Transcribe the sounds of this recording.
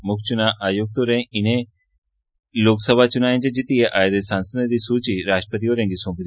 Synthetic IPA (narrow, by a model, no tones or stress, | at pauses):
mʊkʰt͡ʃunaʔaːjoɡ̚t̪oɾẽɪnẽ | loːksəbʱat͡ʃunaːẽd͡ʒed͡ʒit̪ijeʔaːjd̪esãːnsəd̪ẽd̪isuːt͡ʃiɾaːʃʈɾəpət̪̬ioːɾẽːŋɡisõːmpd̪